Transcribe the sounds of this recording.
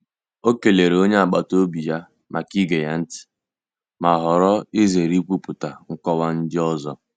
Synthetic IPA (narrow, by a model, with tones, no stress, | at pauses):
o˦ke˨le˨ɾe˨o˦ɲe˦a˨ɡ͡ba˨to˦bi˨ja˦ | ma˨ki˦ɡe˨ja˦n̩˦tɪ̥˨ | ma˨ɦɔ˨ɾɔ˦ɪ˦ze˨ɾi˦k͡pʷu˦pʊ˨ta˨ŋ̩˦kɔ˦wa˦n̩˦d͡ʒɪ˦ɔ˦zɔ˦˨